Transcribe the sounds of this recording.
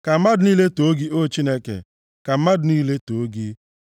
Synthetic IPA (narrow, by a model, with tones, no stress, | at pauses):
ka˨m̩˦ma˦dʊ˨niː˦le˦to˨˦ɡi˦o˦t͡ʃi˦ne˦kḛ˨ | ka˨m̩˦ma˦dʊ˨niː˦le˦to˨˦ɡi˦